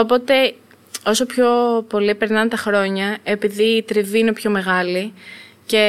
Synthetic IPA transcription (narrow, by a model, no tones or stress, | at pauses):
o̞po̞t̪e̞ | o̞so̞pço̞po̞lipe̞ɾnɐnt̪ɐxɾo̞ɲɐe̞piðiːt̪ɾiviine̞pço̞me̞ɣɐli | ce̞